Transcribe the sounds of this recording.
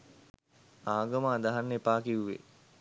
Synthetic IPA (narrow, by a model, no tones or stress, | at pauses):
aːɡəməːd̪aɦanːepaːkiuʋḛ